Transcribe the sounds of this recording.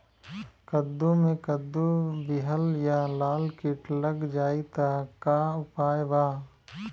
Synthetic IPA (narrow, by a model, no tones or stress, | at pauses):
kɐd̪ːõmẽkəd̪ːobɪɦəljalaːlkɪʈləɡd͡ʒaːit̪akaːʊpaːeʋaː